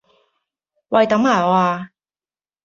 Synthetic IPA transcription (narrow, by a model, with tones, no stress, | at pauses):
wɐ˨˧jt̪ɐ˨˥mhaː˨˩ɔː˨˧aː˧